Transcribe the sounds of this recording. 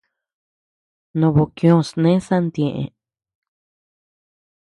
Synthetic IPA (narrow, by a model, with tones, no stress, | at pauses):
nõ˧βo˨kjõ˦˧˨snẽ˦sa˦nd̪jẽ˨ʔḛ̃˨˧